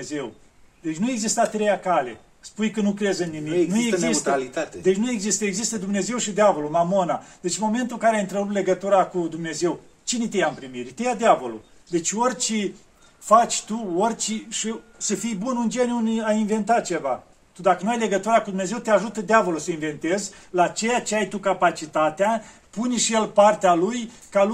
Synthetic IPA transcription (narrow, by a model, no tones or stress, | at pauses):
ezew | d̪e̞t͡ʃʲnue̞ɡzist̪at̪ɾe̞jakale̞̰ | spujkənukɾezɨnːimiknuezziist̪alit̪at̪ed̪et͡ʃʲnuje̞ɡzist̪əeɡzist̪əd̪umne̞ze̞wʃid̪eavo̞lumamo̞nad̪e̞t͡ʃmo̞me̞nt̪ulkaɾeajint̪ɾəɾup̪t̪le̞ɡət̪uɾakud̪umne̞ze̞w | t͡ʃinet̪ejaɨmpɾimiɾʲt̪ejad̪eavo̞lṵ | d̪e̞t͡ʃʲo̞rʲt͡ʃe | fat͡ʃʲt̪uorʲt͡ʃiʃisəfijbunɨnd͡ʒe̞nʲjunajinve̞nt̪at̪̚t͡ʃe̞va | t̪ud̪akənuajle̞ɡət̪uɾakud̪umne̞ze̞wt̪eaʒut̪əd̪eavo̞lusəinve̞nt̪e̞zʲlat͡ʃe̞jat͡ʃeajt̪ukapat͡ʃit̪at̪ea | punʲʃijelpart̪ealuj | ka